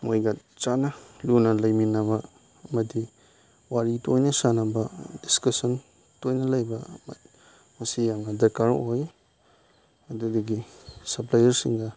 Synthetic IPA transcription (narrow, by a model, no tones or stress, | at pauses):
mojɡa | t͡ʃanɐlunɐlɐjminɐβɐ | ɐmɐdi | waɾitʰojnɐsanɐbɐdiskɐsɐn | tojnɐlɐjbɐm̰ | mɐsijaŋnɐdɐkaɾoj | ɐdudɐɡisɐplajɐɾsiŋɡɐ